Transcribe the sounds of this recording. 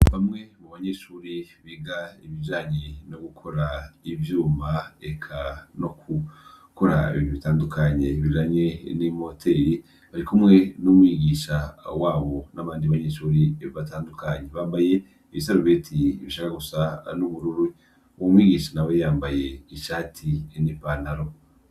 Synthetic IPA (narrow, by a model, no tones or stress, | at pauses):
βamŋe̞muβaɲeʃuːɾiβiɡaiβiʒaːɲeno̞ɡukʰo̞ɾaivjuːmaekʰano̞kʰu | ko̞ɾa̰ḭβoβitaːndukʰaɲe̞βiʒaɲenimo̞tʰe̞ɾi | βaɾikumŋe̞numwiːɡiːʃawaːβo̞naβaːndiβaɲeːʃoɾieββataːndukaɲe̞βaːmbajeː | βisaɾuβetʰiβiʃakaɡusanuβuɾuɾu | womwiːɡiːʃanaβojaːmbaje̞iʃaːtʰinipanaɾo̞